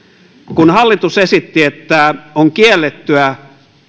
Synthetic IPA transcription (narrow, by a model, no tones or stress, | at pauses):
kunhɑlːit̪usesit̪ːiet̪ːæoŋkielːet̪ːyæ